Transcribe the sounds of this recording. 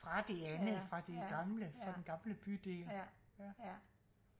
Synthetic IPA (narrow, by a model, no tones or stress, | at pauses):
fʁɑ̈d̥e̝ænð̩ˠfʁɑ̈d̥e̝ɡ̥ɑ̈mləfɑ̈denɡ̥ɑ̈mləb̥yd̥e̝̰ːljæ